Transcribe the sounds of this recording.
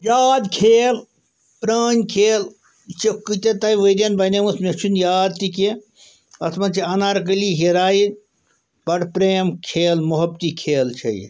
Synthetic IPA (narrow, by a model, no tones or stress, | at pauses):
jaːd̪kʰeːl | pɾəːnʲkʰeːl | t͡ʃɐkːɨt̪et̪aiʋəd̪ʲɐnbɐnʲemusmʲet͡ʃʰunjaːd̪̚t̪ike | ɐt̪ʰmɐnt͡ʃʰiɐnaɾɐk̬əliɦiɾaːi | b̥ɐɽpɾeːmkʰeːlmuɦɐbt̪ikʰeːlt͡ʃʰɐ̰j̰